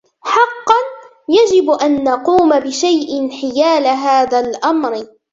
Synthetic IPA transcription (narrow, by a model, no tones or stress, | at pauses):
ħɑqːɑn | jad͡ʒɪbʔanːɑquːmabɪʃajʔɪnħɪjaːlaɦaːðaːlʔamɾɪ